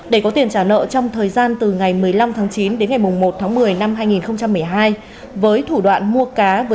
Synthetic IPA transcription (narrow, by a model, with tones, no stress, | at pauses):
ɗe˧˩kɔ˨˦t̪i˨˩ənt͡ɕaː˧˩nə̰ː˧˨t͡ɕɔ˧wŋ͡mt̪ʰəː˨˩jzaː˧nt̪ɨ˨˩ŋa˨˩jmɨ˨˩əjla˧mt̪ʰaː˨˦ŋt͡ɕi˨˦nɗe˨˦nŋa˨˩jmʊ˨˩ŋ͡mmo˨˩t̚t̪ʰaː˨˦ŋmɨ˨˩əjna˧mɦaː˧jŋi˨˩nxə˧wŋ͡mt͡ɕa˧mːɨ˨˩əjɦaː˧j | vəː˨˦jt̪ʰu˧˩ɗwa̰ː˧˨nmu˧əkaː˨˦vəː˨˦